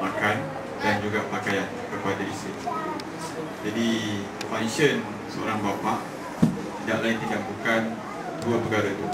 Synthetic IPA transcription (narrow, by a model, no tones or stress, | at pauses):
makan | dand͡ʒuɡapakajankəpadalisə | d͡ʒadi | fanʃən | səoɾaŋbapaʔ | t̪idaʔlaint̪iɡaʔbukan | duəpəɡaɾat̪u